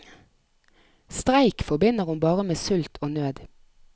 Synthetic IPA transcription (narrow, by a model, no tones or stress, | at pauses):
st̪ʁæɪkfɔbɪnəʁhʊnbɑːʁəmeːsʉlt̪ʰoːnøːd̪